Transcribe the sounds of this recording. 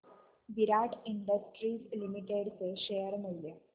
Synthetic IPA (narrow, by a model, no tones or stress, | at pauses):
ʋiɾaːʈiɳɖɐsʈɾiːslimiʈeɖseɕejəɾmulle